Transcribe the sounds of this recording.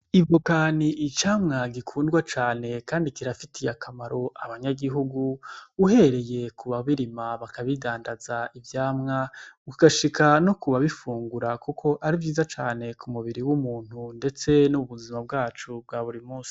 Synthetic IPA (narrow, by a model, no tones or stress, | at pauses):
ibvokaːniʔːt͡ʃaːmŋaɡikʰuːndɡwat͡ʃaːne̞kaːndikiɾafitʰijakʰamaɾo̞ʔaβaɲaɡiɦuɡuːhe̞ɾe̞je̞kʰuβaβiɾimaβakʰaβidaːndazaivjaːmŋaukiɡaʃikʰanokuβaβifuːŋɡuɾakukʰo̞ʔaɾivjiːzat͡ʃaːne̞kʰumuβiɾiwumuːn̥hunde̞t͡se̞nuβuzimab̚ɡaːt͡ʃub̚ɡaːβuɾimuːsi̥